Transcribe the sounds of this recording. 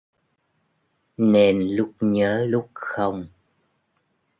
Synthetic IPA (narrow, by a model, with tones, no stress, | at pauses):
ne˧nlʊ˦˥k͡p̚ɲəː˨˦lʊ˦˥k͡p̚xə˧wŋ͡m